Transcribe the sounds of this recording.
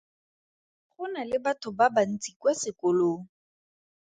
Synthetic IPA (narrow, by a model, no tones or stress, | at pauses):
χʊnalɪbatʰʊbaban̩t͡sʼikwasɪkʊloːŋ̩